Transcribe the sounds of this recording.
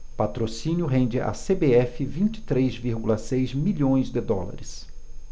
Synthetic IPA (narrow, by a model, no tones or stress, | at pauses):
pat̪ɾosĩnjʊɦẽnd͡ʒɪʔa̰sebeɛfɪvĩnt͡ʃɪ̥t̪ɾejzviɾɡulɐsejzmiʎõj̃zd̪ɪd̪ɔla̰ɾɪs